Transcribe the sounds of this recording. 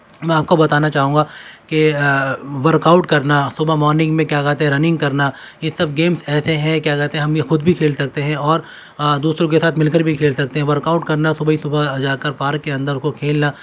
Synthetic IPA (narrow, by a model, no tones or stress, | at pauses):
mɛ̃ːaːp̚kobɐt̪aːnat͡ʃaːɦũːɡake | ʋɐɾkaːʊʈkɐɾnasʊbʱamɔːɾnɪ̃ŋɡmẽkjaːkaːt̪eɦɛ̃ɾɐnɪ̃ŋɡkɐɾna | jesɐb̚ɡeːmsɛːseɦɛ̃kjaːkɛːt̪eɦɛɦɐmjexʊd̪bʱikʰeːlsɐk̚t̪eɦɛ̃ɔːɾ | d̪uːsɾõkesaːt̪ʰmɪlkəɾbʱikʰeːlsɐk̚t̪eɦɛ̃ʋɐɾkaːʊʈkɐɾnasʊbɦisʊbʱad͡ʒaːkɐɾpaːɾkːeɐ̃nd̪əɾʊskokʰeːlna